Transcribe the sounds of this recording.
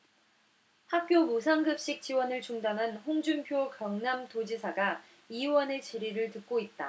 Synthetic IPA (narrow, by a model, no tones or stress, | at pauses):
hak̚k͈jomusʰaŋɡɯp̚ɕ͈ik̚t͡ɕ͈iwʌnɯɭt͡ɕuŋdanɦanɸoŋd͡ʑumpʰjokjʌŋnamtod͡ʑisʰaɡa | iwʌnet͡ɕiɾiɾɯɭtɯk̚k͈oit̚t͈a̰